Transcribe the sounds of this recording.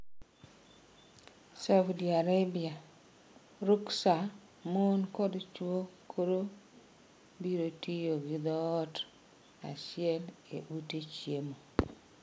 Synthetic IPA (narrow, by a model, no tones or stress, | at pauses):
sawdiaɾabia | ɾuksa | monkɔdt͡ʃwokʰoɾo | biɾotijoɡɪd̪ɔːt | a̰t͡ʃɪɛlḛʔutet͡ʃjemo